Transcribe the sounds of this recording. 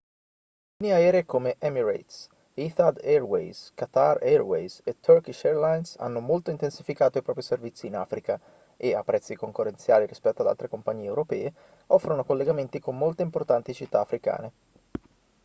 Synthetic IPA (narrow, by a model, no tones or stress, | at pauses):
niaɛːɾeekomeʔɛmiɾa̰jt̪s | iθad̪ɛrwḛjskat̪arɛrwḛjset̪ʰːørkiʃɛrlajnsa̰nːomolt̪oint̪ensifikaːt̪oipɾɔːpɾiservit̪sːiːna̰ːfɾika | ʔeapːɾɛt̪sːikoŋkorːent̪sjaːliɾispɛt̪ːoad̪a̰t̪ɾekompaɲːiːeːwɾopɛːe | ɔfːɾonokolːeɡament̪ikomːolt̪eimport̪ant̪it͡ʃit̪ːaːfɾika̰ːne